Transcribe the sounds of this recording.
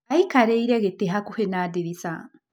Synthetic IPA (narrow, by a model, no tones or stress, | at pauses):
aikaɾeiɾɛɣeteɦakuhenaːdeɾisa